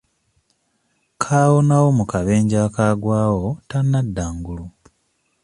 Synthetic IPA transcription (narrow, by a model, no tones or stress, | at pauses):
kʰaːwonawo̞mukaβe̞ːɲɟaːkaːɡwaːwo̞tanːadːaːŋɡulu